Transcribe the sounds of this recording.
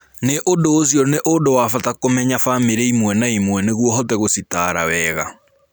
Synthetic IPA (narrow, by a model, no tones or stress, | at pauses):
neʔodoːsjɔneʔodowafatakomɛɲafameɾɛimwɛnaimwɛneɣwɔɦɔtɛɣositaːɾa̰wɛːɣa̰